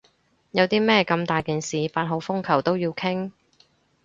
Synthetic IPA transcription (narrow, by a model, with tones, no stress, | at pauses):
jɐ˨˧wt̪iː˥mɛː˥kɐ˧mt̪aː˨jkiː˨nsiː˨faː˧t̚ɦo˨˧wfʊ˥ŋkʰɐ˨˩wt̪o˥wjiː˧wkʰɪ˥ŋ